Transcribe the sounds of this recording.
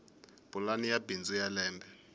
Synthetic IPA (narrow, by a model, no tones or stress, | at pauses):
b̥ulanijabind͡zujalɛːmbʱɛ